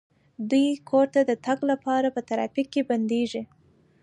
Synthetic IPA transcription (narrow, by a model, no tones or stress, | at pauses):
d̪ujkʰoɾt̪ad̪ət̪aɡlapɑɾapət̪aɾɑ̰fikːeband̪eʒi